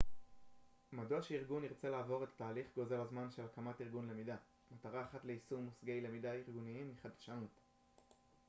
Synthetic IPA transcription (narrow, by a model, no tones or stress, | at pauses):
maduaʃeiʁɡuniʁt͡se̞laːvo̞ʁe̞tḁtaːliχɡo̞ze̞lazmanʃe̞lkamatiʁɡunle̞mida | mataʁaːχatle̞isumːusɡe̞jle̞midaiʁɡuniimːiχadʃanut